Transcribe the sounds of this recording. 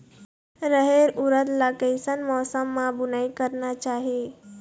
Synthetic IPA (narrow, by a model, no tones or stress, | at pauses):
ɾəɦeɾʊɾət̪lakəsənmɔːsəmːãbʊnaːikəɾnat͡ʃaːɦie